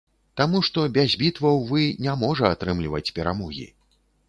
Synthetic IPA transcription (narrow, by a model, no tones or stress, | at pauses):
t̪amuʂt̪ɔbʲazʲbʲit̪vɐwvɨnʲamɔʐɐat̪ɾɨmlʲivɐt͡sʲpʲɛɾamɔɣʲḭ